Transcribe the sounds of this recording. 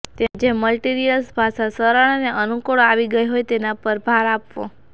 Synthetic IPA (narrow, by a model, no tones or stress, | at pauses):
t̪ẽd͡ʒeməlʈiɾijəlsbʱaʃasəɾaɽ̃aneʔənukoɭoaʋiɡəjɦojt̪enapəɾbʱaɾapʋo